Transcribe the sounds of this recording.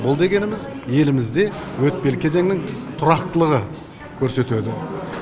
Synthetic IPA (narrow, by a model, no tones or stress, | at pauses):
bʊlˠd̪e̞ɡʲe̞nɪmɪzje̞lɪmɪzd̪e̞wɵt̪̚pe̞lkʲʰe̞ze̞ŋnɪŋt̪ʰʊɾɑqt̪əlˠəʁə | kʲʰɵɾse̞t̪ød̪ɪ